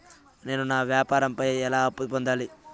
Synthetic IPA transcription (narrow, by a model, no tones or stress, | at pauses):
ne̞ːnunaːʋjaːpaːɾɐmpɐjɛlaːɐpːupond̪aːli